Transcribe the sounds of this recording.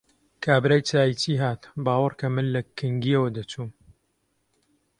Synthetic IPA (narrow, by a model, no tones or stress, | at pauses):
kʰaːbɾaːjt͡saːjit͡siːɦaːt̪bɑːwɨrkʰɐmɨnlɐkʰɨŋɡiɐwɐd̪ɐt͡ʃuːm